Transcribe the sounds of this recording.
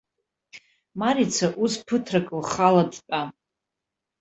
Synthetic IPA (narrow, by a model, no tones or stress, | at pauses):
maɾit͡sʰaʔuspʰɨtʰrakʼɨlχaladpʼa